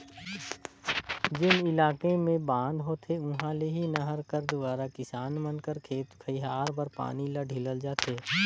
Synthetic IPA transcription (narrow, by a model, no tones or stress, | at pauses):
d͡ʒɪnɪlaːkemẽbãːnd̪ɦoːt̪ʰeʊɦãleɦinɐɦəɾkəɾd̪ʊbaːɾakɪsaːnmənkəɾkʰeːt̪kʰəiɦaːɾbəɾpa̰ːniləɖʱɪləld͡ʒaːt̪eː